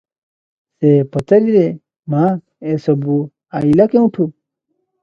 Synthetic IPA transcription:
sepɐt̪ɐɾiɾe | maː | esobu | ailɐkẽuʈʰu

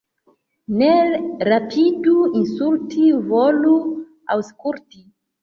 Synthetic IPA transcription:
neɾapʰiduinsultʰivolu | a̰wskulti

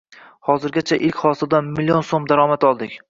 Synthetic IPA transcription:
hɒzɪɾɡʲat͡ʃʰaʔɪlkʲχɒsɪld̪anmɪlːijonsomd̪aɾɒmat̪ɒlˠd̪ɪkʲ

